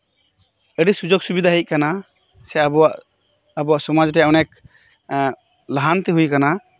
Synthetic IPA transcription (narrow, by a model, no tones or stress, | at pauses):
əɖisud͡ʒɔk̚subid̪aɦic̚kana | sɛabɔwaʔ | abɔwaʔsɔmad͡ʒʈɛjaʔɔnɛk̚ | laɦant̪ɛɦujkana